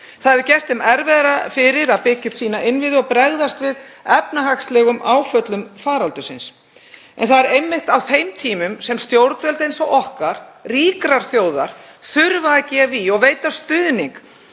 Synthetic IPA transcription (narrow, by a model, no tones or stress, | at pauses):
θaðɛvɪcɛr̥t̪hɪmɛɾvɛðɾafɪɾɪɾaðpɪcʏ̥t̪siːnaʔɪnvɪðʏɔɣpɾɛɣðast̪vɪðɛpnaɦakst̪lɛɣʏmʔaːwfœt̪lʏmfaːɾalt̪ʏsɪns | ɛ̰nθaðɛɾejmːɪht̪awθejmt̪ʰiːmʏmsɛmst̪jowɾt̪vɛlt̪ejnsɔʔɔhkaɾ̥riːkɾaɾ̥θjoːwða̰ɾ̥ | θʏɾvacɛviɔɣveːjt̪ast̪ʏðniŋk